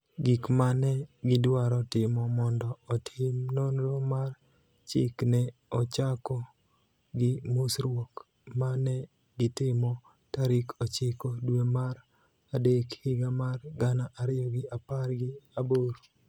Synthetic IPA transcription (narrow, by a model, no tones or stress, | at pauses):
ɡikmanɛɡɪdwaɾɔtɪmɔmɔndɔːtʰɪmnonɾomar | t͡ʃɪ̰knɛɔt͡ʃakɔ | ɡɪmusɾwok | manɛ | ɡɪtɪmɔ | taɾikɔt͡ʃɪkodwemaɾ | adekhɪɡamarɡanaʔaɾɪjɔɡɪaparɡɪaboɾo